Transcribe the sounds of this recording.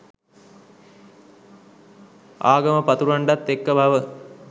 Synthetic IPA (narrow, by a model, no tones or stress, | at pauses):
aːɡəməpat̪uɾaɳɖat̪ːekːəbʱaʋə